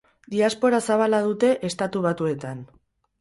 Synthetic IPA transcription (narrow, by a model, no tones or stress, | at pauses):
d̪iaspo̞ɾasaβ̞alað̞ut̪e̞ʔest̪at̪uβ̞at̪ue̞t̪an